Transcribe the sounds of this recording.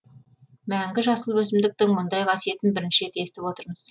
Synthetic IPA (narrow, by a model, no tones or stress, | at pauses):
mæŋɡʲɪʒɑsəlˠbɵs̬ɪmd̪ɪk̚t̪ɪŋmʊnd̪ɑjqʰɑsije̞t̪ɪnbɪɾɪnʃet̪e̞st̪ɪpwo̞t̪əɾməz̥